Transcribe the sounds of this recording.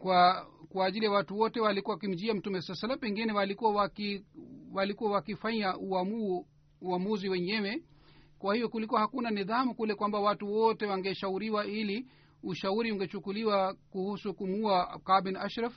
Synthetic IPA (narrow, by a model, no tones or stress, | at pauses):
kwakwaːʄilijawatuwɔtɛwalikuwawakim̩d͡ʒiam̩tumɛsalsalːam̩pɛŋɡinɛwalikuawakiwalikuwawakifaɲaʔuamuː | amuziwɛɲɛwɛ | kwahivɔkulikuwahakunaniðamukulɛkwambawatuwɔtɛwaŋɡɛʃauɾiwaili | uʃauɾiuŋɡɛt͡ʃukuliwakuhusukumuakabinaʃɾaf